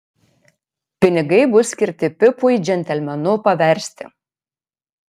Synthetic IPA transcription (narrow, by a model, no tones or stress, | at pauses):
pʲɪnʲɪɡɐjbʊskʲɪɾt̪ʲɪpʲɪpujd͡ʒʲɛnʲt̪ʲɛlʲmʲɛnopɑʋʲɛɾʲst̪ʲɪ̰